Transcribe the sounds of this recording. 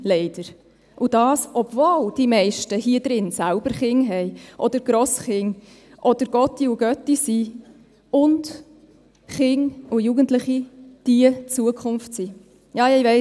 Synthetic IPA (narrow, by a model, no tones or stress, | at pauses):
lɛɪd̥əɾ | ʔʊd̥ɑːsɔbvoːld̥imɛɪʃtəhiəd̥̪ɾɪnsælb̥əɾχɪŋɦɛɪʔɔd̥əɾɡ̥ɾɔsχɪŋ | ʔɔd̥əɾɡ̥ɔtːiuɡœtisi | ʊnd | χɪŋujuɡəntlɪχid̥iət͡suəkʰχʊnftsi | jɑːɪvɛ